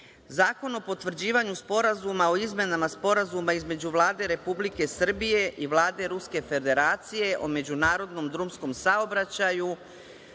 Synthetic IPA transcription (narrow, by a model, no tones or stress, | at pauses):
zaːko̞no̞po̞t̪ʋr̩d͡ʑiːʋaɲuspo̞ɾazumao̞izme̞namaspo̞ɾazumaizme̞d͡ʑuʋlˠaːd̪e̞ɾe̞publike̞sr̩bije̞ʔiʋlˠaːd̪e̞ɾuske̞fe̞d̪eɾaːt̪sije̞ʔo̞me̞d͡ʑunaːɾo̞d̪no̞md̪ɾumsko̞msaobɾat͡ɕaju